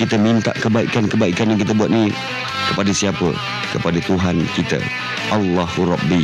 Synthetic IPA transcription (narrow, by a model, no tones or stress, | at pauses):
kit̪əmint̪a̰ʔkəbaḭkankəbaikanjaŋkit̪̬əbuat̪̚ni | kəpadasiapə̰ | kəpadat̪uɦankit̪ə̰ | ʔɑlːɑhuɾɑbːi